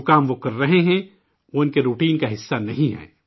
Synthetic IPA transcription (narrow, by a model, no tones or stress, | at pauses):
kaːmʋokɐɾːɐɦeɦɛ̃ | ʋoːɪnkeɾuːʈiːnkaɦɪsːanɐɦĩɦɛ̰ː